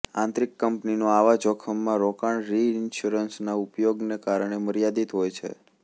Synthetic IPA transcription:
ãnt̪ɾikːəmpninoaʋad͡ʒɔkʰəmːãɾɔkaɳɾiɪnʃuɾənsnaupjoɡnekaɾɳ̃eməɾjad̪it̪ɦojt͡ʃʰḛ

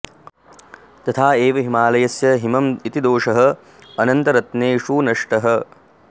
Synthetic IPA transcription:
t̪ɐt̪ʰaːeːʋɐɦimaːlɐjɐsjɐɦimɐmit̪id̪oːʂɐɦɐ | ɐnɐnt̪ɐɾɐt̪neːʂuːnɐʂʈɐɦɐ

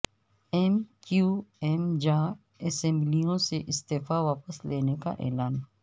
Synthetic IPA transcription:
eːmkjuːemd͡ʒaː | ɐsɛ̃mblijõseʔɪst̪eːfaʋaːpəsleːneka̰ʔɛ̰ːlaːn

